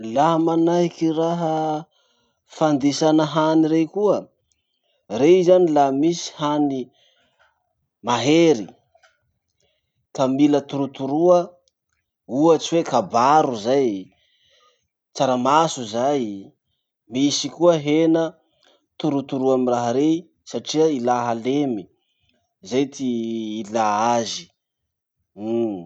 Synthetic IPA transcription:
laɦmanaɦikiraɦə | fand̪isanəɦaniɾekuə | reizanilamisi̥hani | maɦeɾi | kamilət̪uɾut̪uɾuə | uat͡siwekabaɾuzaj | t͡saɾamasuzaj | misikuəɦenə | t̪uɾut̪uɾuamiraɦɾe | saʈ͡ʂiəilaɦalemi | zajt̪ʰiːlaazi̥

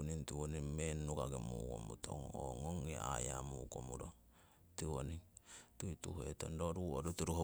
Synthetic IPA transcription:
nintiwonimenukaɡemuko̰mutʰo̰ŋo̰ŋoŋea̰jamukomuɾo | tiwonitutuhetondoɾuoɾutuɾuho

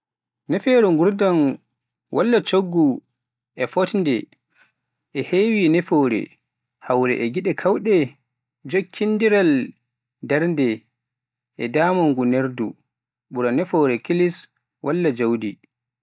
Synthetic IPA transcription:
nɛfɛɾuŋɡuɾdan | wʔalːat͡ʃoɡːu | ʔɛfɔtndɛ | ʔɛheːwinɛfɔɾɛ̰ | hawɾɛ̰ʔɛɡiɗɛkʰawɗɛ | d͡ʒokʰːinːdiɾal | daɾndɛ | ʔɛdaːmɔŋɡuneɾdu | ɓuɾanɛfɔɾɛkilis | wʔalːad͡ʒawdi

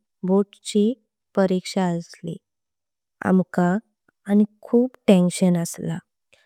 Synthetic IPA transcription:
boʈt͡ɕi | pəɾikʂaəslḭ | a̰mkaː | ñikʰuːpʈẽnɕənəsla̰

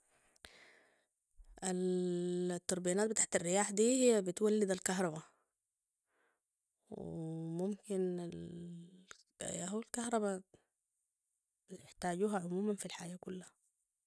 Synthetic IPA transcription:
ʔal | t̪ːɑɾˤbijanaːt̪bɪt̪aːʕt̪arːɪjaːħd̪iːhijːabit̪walːid̪alkaɦɾˤɑba | wɪmumkinal | aɦualkaɦɾˤɑba | ɪħt̪aːɟuːɦaʕʊmuːmanfilħaːjakulːaha

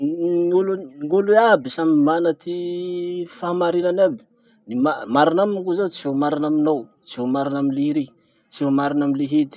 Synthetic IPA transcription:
ŋuluŋuluabisamimanət̪i | famaɾinanabi̥ | nimamaɾinaminkuzat͡somaɾinaminaw | t͡siomaɾinaminliɾe | t͡siomaɾinamileɦet̪i̥

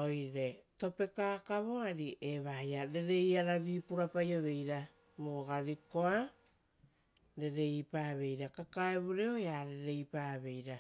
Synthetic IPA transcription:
o̞jɾe̞to̞pe̞kaːkaβo̞aɾiʔeβajaɾe̞ɾe̞jaɾaβiːpuɾapajo̞βe̞jɾa | moɡaɾiko̞a | ɾe̞ɾe̞ipaβe̞jɾakakaeβuɾeojaɾe̞ɾe̞jpaːβe̞jɾa

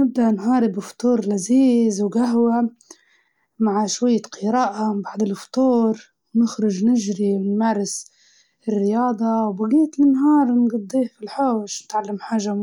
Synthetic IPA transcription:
nɪb̚d̪aʔnhɑːɾˤɪbft̪ˤuːɾˤlaziːzwɡaɦwa | maʕʃwajːaqʰɨɾaːʔabaʕd̪ɪlft̪ˤuːɾ | nɪxɾʊʒnɪʒɾimaːɾˤɪs | ɪrːɪjɑːd̪ˤɑwbaɡiːt̪lnːɦɑːɾˤnɡɑd̪ˤːiːhfilħoːʃnɪt̪ʕalːamħaːʒa

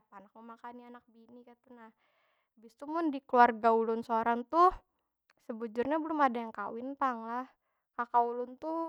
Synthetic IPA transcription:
panak̚mumakanianak̚binikat̪unah | bɪst̪umʊndikluarɡaulʊnsoɾaŋt̪u | səbud͡ʒʊrɲabəlʊmadajaŋkawɪnt̪aŋlah | kakaulʊnt̪u

